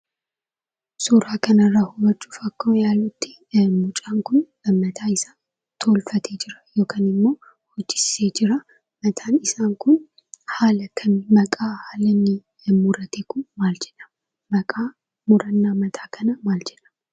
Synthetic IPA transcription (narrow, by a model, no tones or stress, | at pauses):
suɾaːkɐnɐrːahʊwɐt͡ʃʼːu̥ːfɐkːoːjaːlʊt̪ːɪ | mʊt͡ʃʼaːŋkʊn | mɐt̪ʰaːɪsaːn | t̪ʰo̞ːlfɐt̪ʰeːd͡ʒɪɾɐ̥jo̞ːkaːnɪmːo̞ː | hɔd͡ʒːɪse̞ːd͡ʒɪɾɐ | mɐt̪ʰaːnɪsaːŋkʊn | haːlɐkʰɐnmɐkʼaːhaːlɐnːɪ | mʊɾɐt̪eːkʊnmaːld͡ʒɛʔɐm | mɐkʼaː | mʊɾɐnːaːmɐt̪ʰaːkʰɐnɐmaːld͡ʒɛᶑɐ̥m